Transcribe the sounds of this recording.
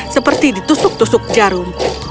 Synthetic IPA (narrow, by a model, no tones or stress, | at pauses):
səpərt̪idit̪usʊk̚t̪usʊk̚d͡ʒaɾʊn